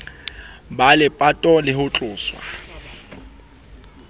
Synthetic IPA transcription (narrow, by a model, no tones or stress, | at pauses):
balɪpʼatʼɔlɪhʊt͡ɬʼʊːswa̰